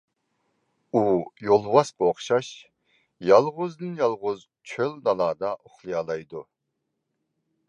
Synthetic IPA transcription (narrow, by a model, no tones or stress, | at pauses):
ujolˠvɑsqəoχʃɑʃ | jɑlˠʁʊzd̪ɨnjɑlˠʁʊz | t͡ʃʰølnɑlɑːd̪ɑʔoχlˠijɑlˠɑjd̪u